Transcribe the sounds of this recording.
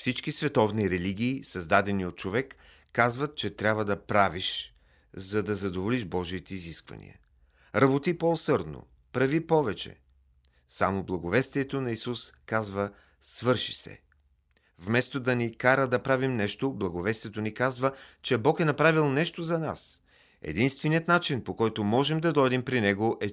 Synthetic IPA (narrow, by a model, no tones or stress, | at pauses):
fsit͡ʃkisvɛt̪ɔvniɾɛliɡʲiːsɐzd̪ad̪ɛniot̪̚t͡ʃovɛkː | azvɐt̪̚t͡ʃɛt̪ɾʲabvəd̪ɐpɾaviʃ | zɐd̪ɐzɐd̪ovoliʃbɔʒiːt̪ɛiziskvɐ̰nḭə̰ | ɾɐbot̪ipoosɤɾd̪no̰ | pɾɐvipɔvɛt͡ʃɛ̰ | sa̰moblˠɐɡovɛst̪iɛt̪onɐisuskazvə | svɤɾʃi̥sɛ̰ | vmɛst̪od̪ɐnikaɾəd̪ɐpɾavimnɛʃt̪oblˠɐɡovɛst̪iɛt̪onikazvət͡ʃɛbɔkɛnɐpɾavilˠnɛʃt̪ozɐna̰s | ɛ̰d̪inst̪vɛniət̪nat͡ʃinpokɔjt̪omɔʒɛmd̪ɐd̪ɔjd̪ɛmpɾinɛɡoʔɛ